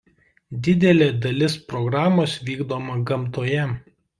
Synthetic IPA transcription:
d̪ʲɪd̪ʲɛlʲeːd̪ɐlʲɪspɾɔɡɾɑːmoːsʋʲiːɡd̪oːmɐɡɐmˑt̪oːjɛ

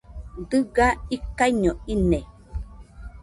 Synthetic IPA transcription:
dɨɡaikaiɲoine

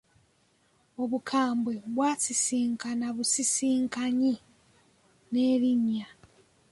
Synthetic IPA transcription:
o̞βukʰaːmbwe̞βwaːsisiːŋkanaβusisiːŋkaɲi | ne̞ːliɲa

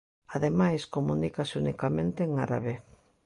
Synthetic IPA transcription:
aðemajskomunikasɪunikamẽnt̪eːŋaɾa̰βe

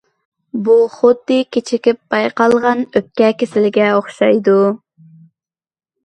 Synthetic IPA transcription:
buχod̪ːɨkʲet͡ʃʰɪkʲɪp̚b̥ɑjqɑlˠʁɑnøp̚kʲɛkʲesɪlɪɡʲɛoχʃɑjd̪u

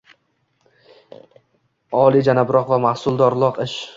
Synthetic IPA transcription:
ɒlˠid͡ʒanabɪɾɒqvamahsʊlˠd̪ɒɾlˠɒqɪʃ

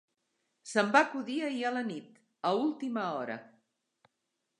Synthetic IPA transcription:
səmbakuðiəiələnit̪ | əulˠt̪iməɔɾə̰

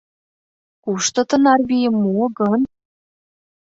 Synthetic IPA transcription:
kuʃt̪ɤ̆t̪ɤ̆nɑrβijə̆mːuɡɤn

